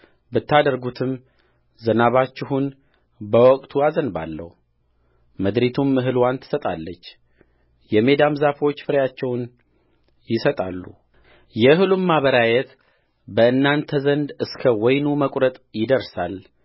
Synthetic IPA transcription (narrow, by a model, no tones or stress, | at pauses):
bɨt̪ːad̪əɾɡut̪ʰɨm | zənaβat͡ʃːɪɦun | bəwɔkʼt̪ʰuazənba̰lːə̰hu | məd̪ɾit̪ʰumɨɦɨlwant̪ʰɨ̥sət̪ʼa̰lːət͡ʃː | jɛme̞d̪amzafo̞t͡ʃːfɨɾjat͡ʃːɛwn | jɪsət̪ʼalːṵ | jɛhɨlumːaβəɾajɛt̪ | bəɨnːant̪ʰəzənd̪ɨskʰəwɔjnuməkʼɾət̪ʼjɪd̪əɾsal